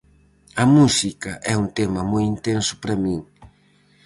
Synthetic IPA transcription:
ɐmusikɐʔɛunt̪emɐmojint̪ensʊ̥pɾɐmĩŋ

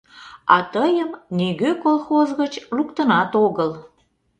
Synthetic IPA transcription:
ɑ̰t̪əjəmneɣøkolˠxozɣət͡ɕrukt̪ənɑt̪oɣəl

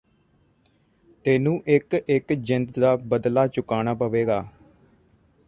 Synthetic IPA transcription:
t̪eːnũːʔɪkɪkd͡ʒɪnd̪d̪aːbəd̪laːt͡ʃʊkaːnaːpəʋeːɡaː

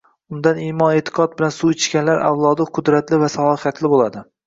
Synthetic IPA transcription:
ʊnd̪animɒnet̪ʰɪ̥qʰɒt̪̚bɪlansuɪt͡ʃkʲanlaɾʔa̰wlˠɒd̪ɪqʰʊd̪ɾat̪lɪvasalˠɒɨχjat̪ʰlɪbolˠad̪ɪ

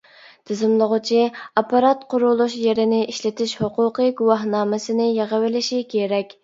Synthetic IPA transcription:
t̪ʰɪzɪmlˠəʁʊt͡ʃʰiɑpɑɾɑt̪qʰʊɾulˠuʃjeɾɪnɪʔiʃlɪt̪ʰɪʃhoqʰʊːqəɡuwɑɦnɑːmɪsɨnɪjeʁəwɪlɪʃikʲʰeɾɛkʲ

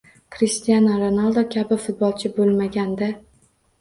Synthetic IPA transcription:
kɾist̪ijanaɾonalˠd̪okʲʰabɪfʊt̪̚bɒlˠt͡ʃʰɪbolˠmaɡʲand̪a

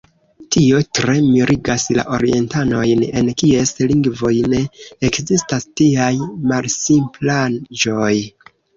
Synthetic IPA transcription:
tio̞tɾe̞miɾʔiɡasla̰ʔo̞ɾie̞̰ntano̞jne̞nkie̞sliŋɡvo̞jneekzistastiajmalsimpland͡ʒo̞j

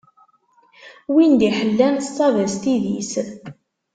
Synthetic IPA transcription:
wind̪iħəlːænstˤːɑvæst̪iðḭs

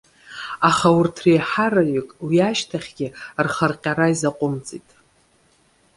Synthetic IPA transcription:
aχawʊrtʰrejħaɾaɥʏkʼwiaʃtʰaχʲɡʲɪrχərqʲʼaɾaizaqʷʼʊmt͡sʼitʼ

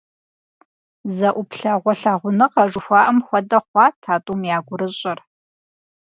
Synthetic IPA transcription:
zɐʔʷʊpʰɬaʁʷɔɬaːʁʷʊnɨqɐʐʊxʷaːʔɐmxʷɐdɐχʷɑːtʰaːtʼumjaːɡʷʊɾɨɕʼɐr

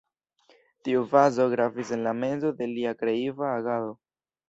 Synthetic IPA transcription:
tiuvazo̞ɡɾavise̞nlame̞nzo̞de̞liakɾe̞ivaːɡalo̞

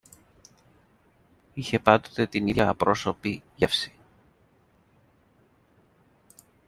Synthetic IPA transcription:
içe̞pɐnd̪o̞t̪e̞t̪iniðʝɐːpɾo̞so̞piʝɐfsi̥

